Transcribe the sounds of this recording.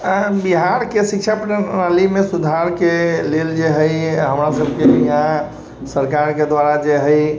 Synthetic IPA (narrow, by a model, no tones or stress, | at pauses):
biɦaɾkesikt͡ʃʰapnalimesud̪ʱaɾkeleld͡ʒeɦəjɦəmɾasəbʱkeiɦã | səɾkaɾked̪ʋaɾad͡ʒeɦəj